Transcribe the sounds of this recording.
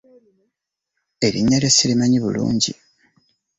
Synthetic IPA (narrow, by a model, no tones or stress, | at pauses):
e̞βiɲːalesilimaɲiβṵlṵːɲɟḭ